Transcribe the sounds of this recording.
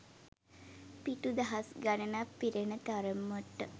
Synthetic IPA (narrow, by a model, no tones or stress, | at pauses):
piʈud̪ɐɦasɡanənapːiɾenət̪aɾəmːoʈːə